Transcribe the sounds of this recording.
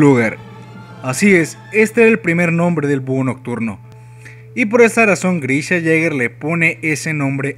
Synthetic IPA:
luɣaɾ | asie̞s | e̞st̪eeɾelpɾime̞ɾnõmbɾe̞ðe̞lbuono̞k̚t̪uɾno̞ | ipo̞ɾe̞st̪araso̞ŋɡɾiʃaʝeɣeɾle̞po̞ne̞ʔe̞se̞nõ̞mbɾe̞

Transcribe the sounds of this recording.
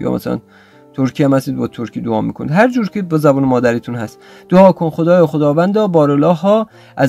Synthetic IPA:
jɒ̰ːmæ̰sælæ̰n | t̪ʰoɾkʰijæmhæst̪iːd̪bɒːt̪ʰoɾkʰiːd̪oɒːmḭːkʰonid̪ɦæɾd͡ʒuːɾkʰebɒːzæbuːnemɒːd̪æɾiːt̪ʰunhæst̪ | d̪̥oɒːkʰonxod̪ɒːjɒːxod̪ɒːvænd̪ɒːbɒːɾelɒːɦɒː | ʔæz

